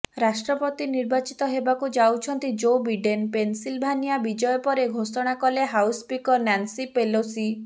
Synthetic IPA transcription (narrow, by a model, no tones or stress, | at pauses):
ɾasʈɾɔpɔt̪iniɾbat͡ʃit̪ɔɦebakud͡ʒawt͡ʃʰɔnt̪id͡ʒobiɖenpensilbʱanijabid͡ʒɔjɔpɔɾeɡʱosɔɽ̃akɔleɦawspikɔɾnansipelosi